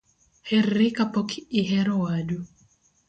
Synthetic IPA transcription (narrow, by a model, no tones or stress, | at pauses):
hɛrːɪkapɔkɪɦɛɾɔwadu